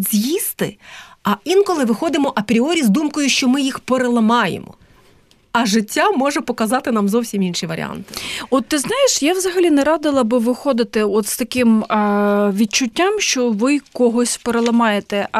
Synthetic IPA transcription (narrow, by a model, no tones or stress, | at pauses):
zʲjist̪ɪ̰ɐinkɔlˠɪʋɪxɔd̪ɪmɔʔɐpɾʲiɔɾʲizd̪umkɔjʊʃt͡ʃɔmɪjixpeɾelˠɐmɑjḛmɔ̰ | ɐʒɪtʲːamɔʒɛpɔkɐzɑt̪ɪnɑmzɔwsʲiminʃiʋɐɾʲḭa̰nt̪ɪ̥ɔt̪ːɪznɑjeʃjawzɐɦɐlʲinɛɾɑd̪ɪlˠɐbɪʋɪxɔd̪ɪt̪ɪɔt̪st̪ɐkɪm | ʋʲid̪̚t͡ʃʊtʲːamʃt͡ʃɔʋɪkɔɦɔsʲpeɾelˠɐmɑjet̪ɛ